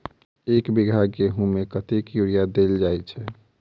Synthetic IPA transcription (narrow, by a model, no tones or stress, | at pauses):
ekbiɡʱaɡkeɦũmekət̪ekjuɾijad̪eld͡ʒajt͡ʃʰɛ